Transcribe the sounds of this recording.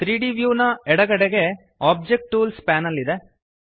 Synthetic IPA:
t̪ɾiːɖiʋjuːnɐɛɽɐɡɐɽeɡe̞ | aːb̚d͡ʒek̚ʈːuːlspaːnɐlːid̪e̞

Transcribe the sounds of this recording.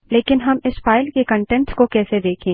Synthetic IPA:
leːkɪnɦɐmɪsfaːɪlkekɐ̃ɳʈɛ̃ɳʈskokɛːsed̪eːkʰẽː

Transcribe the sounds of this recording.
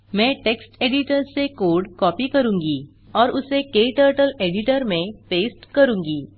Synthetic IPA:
mɛ̃ːʈeːksʈeːɖɪʈəɾsekoːɾɖkɔːpikɐɾũːŋɡi | ɔːɾʊsekeːʈəːɾʈəleːɖɪʈəɾmẽpeːsʈkɐɾũːŋɡiː

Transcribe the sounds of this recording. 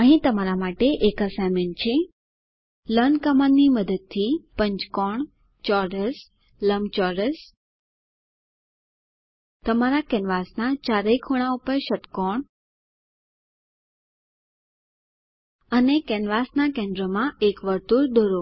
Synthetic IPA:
əɦĩt̪əmaɾamaʈeʔekəsament͡ʃʰe | lənkəmanːiməd̪əd̪̚t̪ʰipəɲt͡ʃkɔɳ | t͡ʃɔɾəs | ləmt͡ʃɔɾəs | t̪əmaɾakɛnʋasnat͡ʃaɾəjkʰuɽ̃aupəɾʃət̪kɔɳ | ənekɛnʋasnakẽɳɖɾəmãekʋəɾt̪uɾd̪oɾo

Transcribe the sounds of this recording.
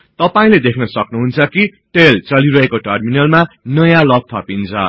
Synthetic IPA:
t̪ʌpaĩled̪ekʰnʌsʌknuɦunt͡sʰʌki | ʈelt͡sʌliɾʌɦekoʈʌrminʌlmanʌjãlʌt̪ʰːʌpint͡sʰʌ̰

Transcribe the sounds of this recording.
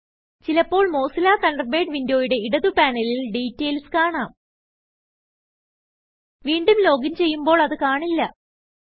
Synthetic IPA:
t͡ɕilɐpːo̞ːɭmo̞ːsilaːt̪ɐnɖɐrbe̞ːɖʋindo̞ːjuɽe̞iɽɐðupaːnɐlilɖiːtːeːlskaːɳaːm | ʋiːɳɖumlo̞ːɡimt͡ɕe̞jːumbo̞ːɭɐðɨkaːɳilːɐ

